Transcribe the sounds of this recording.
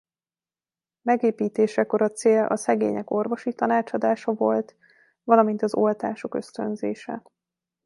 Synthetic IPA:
mɛɡeːpiːt̪eːʃɛko̞ɾɒt̪seːlʔɒ̰sɛɡḛːɲɛko̞rvo̞ʃit̪ɒnaːt͡ʃɒd̪aːʃɒvo̞lt̪ | vɒlɒmint̪ɒzo̞lt̪aːʃo̞kø̞st̪ø̞nzeːʃɛ̰

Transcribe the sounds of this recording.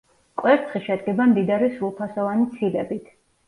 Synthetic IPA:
kʼwɛɾt̪ʰχiʃɛd̪ɡɛbamd̪id̪aɾisɾulˠpʰasɔvanit̪sʰilɛbit̪ʰ

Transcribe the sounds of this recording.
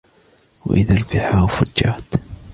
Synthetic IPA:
wʔɪðalbiħawfʊd͡ʒːaːt̪

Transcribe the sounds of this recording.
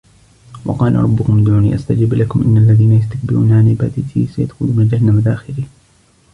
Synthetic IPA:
wʔɑ̰qɑːlʔɾˤɑbːʊkʊmd̪uːnḭːʔast̪ad͡ʒɪblakʊmʔɪnːalːaðiːnajast̪ak̚bɪɾṵːnaʕanɪba̰ːt̪ɪt̪ʰḭːsaja̰d̪xʊluːmad͡ʒahnamad̪aːxɪliː

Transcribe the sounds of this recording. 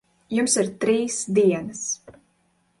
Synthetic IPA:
jumsiɾt̪ɾiːsd̪iɛnas

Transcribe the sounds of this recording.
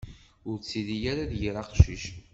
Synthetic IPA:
ʊɾt͡sːiðijaɾaðjəɾˤɑqʃiʃ

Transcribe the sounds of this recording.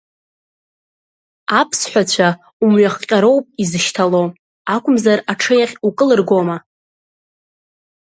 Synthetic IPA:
apʰsħʷᶣat͡ɕʷʰa | umɥaχqʲʼaɾo̞wpʼizɨʃtʰalo | akʷʰʼʊmzaraʈ͡ʂʰɨjaχʲukʼɨlɨrɡʷo̞ma

